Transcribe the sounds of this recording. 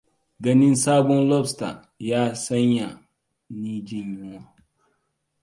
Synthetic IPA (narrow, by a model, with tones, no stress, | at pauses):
ɡɐ˦nɪ˦nsaː˦bɔ˦nlɔ˦bsta̰˨ | jaː˦sa˦ɲja˨ | niː˦d͡ʒɪ˦ɲjʊ˦ŋa˦